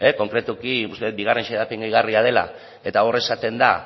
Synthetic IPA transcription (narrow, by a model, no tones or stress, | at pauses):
eko̞ŋkɾe̞t̪ukiust̪et̪biɣ̞arenʃeðapeŋɡojɣariað̞e̞la̰ | e̞t̪ao̞re̞sat̪e̞nd̪a